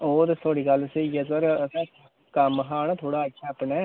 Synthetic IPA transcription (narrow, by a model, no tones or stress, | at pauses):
oːd̪et̪ʰoːɽiːkəlseiɛːsəɾəsãː | kəmɦaːnːt̪ʰoːɽaːəʃʰaːpneː